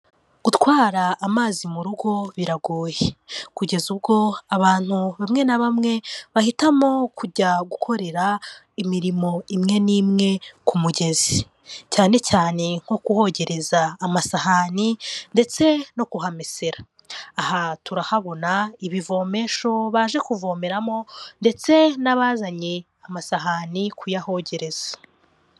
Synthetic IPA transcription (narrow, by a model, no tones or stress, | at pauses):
ɡ̥utwaːɾaːmaːzimuɾuɡo̞βiɾaɡuːjekuɟe̞zubɡo̞aβaːn̥huβamŋe̞naβamŋe̞βahitamo̞kʰuɟaɡukʰo̞ɾe̞ɾa | imiɾimo̞imŋe̞niːmŋe̞kumuɟe̞zi | caːne̞caːne̞ŋ̥ho̞kuho̞ɟe̞ɾʔe̞zaːmasaɦaninde̞t͡se̞no̞kuɦameseɾaː | hatuɾahaβo̞naiβivo̞ːme̞ʃo̞βaʒe̞kuvo̞me̞ɾamo̞nde̞t͡se̞naβaːzaɲe | amasaɦanikʰujaho̞ɟe̞ɾe̞z̥ḁ